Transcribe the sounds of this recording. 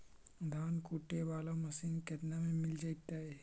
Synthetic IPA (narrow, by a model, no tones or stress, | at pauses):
d̪ʱaːnkuːʈːeʋaːlamɐsiːnket̪namẽmɪld͡ʒaːit̪aɦɛː